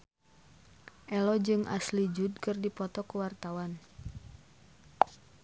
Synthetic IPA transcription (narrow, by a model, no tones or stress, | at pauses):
ʔɛlɔd͡ʒɨŋʔa̰slid͡ʒud̚kɨrdipɔt̪ɔkuwart̪awan